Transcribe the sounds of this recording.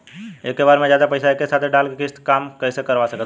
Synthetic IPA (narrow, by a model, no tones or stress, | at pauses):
ekːebaːɾmẽd͡ʒjad̪apəɪsaekesat̪ʰeɖalkekist̪kaːmkəjsekəɾʋasəkət̪